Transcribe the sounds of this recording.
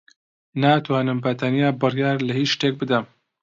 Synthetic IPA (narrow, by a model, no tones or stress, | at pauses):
naːt̪ʰwaːnɨmpɐt̪ʰanijaːbɨrjaːɾlɐhiːt͡ʃʃt̪eːk̚bɨd̪ɐm